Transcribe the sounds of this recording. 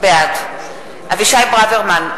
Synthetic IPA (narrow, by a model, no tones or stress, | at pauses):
bead̪ | aviʃajbʁaveʁman